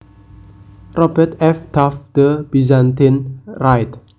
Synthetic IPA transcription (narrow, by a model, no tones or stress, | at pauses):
rɔbɛt̪ɛfd̪̥afd̪̥əb̥izant̪ɪnrajt̪